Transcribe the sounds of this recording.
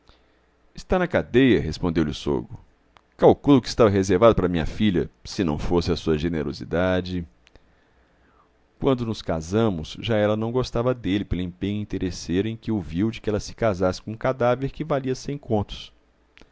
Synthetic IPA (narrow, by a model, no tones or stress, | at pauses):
ɪst̪anɐkad̪ejɐɦespõnd̪ewlʲɪʊso̰ɡʊ | kawkulʊkɪi̥st̪avɐɦezeɾvad̪ʊpaɾɐmĩɲɐ̰fiʎɐsɪnɐ̰̃w̃fosɪɐsuɐʒeneɾo̰zḭd̪ad͡ʒɪ | kwɐ̃nd̪ʊnʊskazɐ̃mʊsʒaɛlɐnɐ̃w̃ɡost̪avɐd̪elɪpelʊẽpẽɲʊĩnt̪eɾʔeseɾʊẽj̃kɪʊviwd͡ʒɪkɪɛlɐsɪ̥kazasɪ̥kõũkad̪aveɾkɪvaliɐsẽj̃kõnt̪ʊ̥s